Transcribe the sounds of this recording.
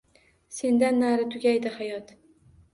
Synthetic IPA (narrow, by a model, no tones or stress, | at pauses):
se̞nd̪anːaɾɪt̪ʰʊɡʲajd̪ɪhajɒt̪